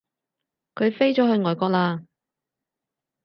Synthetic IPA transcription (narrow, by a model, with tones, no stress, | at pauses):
kʰɵ˨˧ɥfe˥jt͡ʃɔː˨˥ɦɵ˧ɥŋɔː˨˩jkɔː˧k̚laː˧